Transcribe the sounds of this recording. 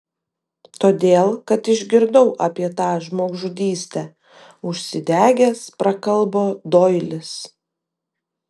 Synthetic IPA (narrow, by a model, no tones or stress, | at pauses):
t̪oːd̪ʲeːlˠkɐt̪ɪʒʲɡʲɪɾd̪ɐʊʔɑːpʲiɛt̪ɑːʒmoːɡʒʊd̪ʲiːsʲt̪ʲæː | ʊʃʲsʲɪd̪ʲæːɡʲɛspɾɐkɐlˠboːd̪oːɪlʲɪs